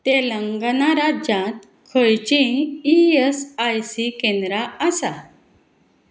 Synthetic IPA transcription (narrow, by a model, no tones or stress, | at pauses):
t̪eləŋɡnaɾad͡ʑãt̪̚ | kʰəjt͡ɕĩiesajsikẽnd̪ɾaasa